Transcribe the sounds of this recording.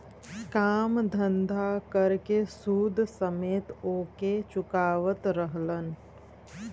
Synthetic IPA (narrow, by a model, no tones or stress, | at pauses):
kaːmd̪ʱə̃nd̪ʱakəɾkesuːd̪ʱsəmeːt̪oːket͡ʃʊkaːʋət̪ɾəɦlən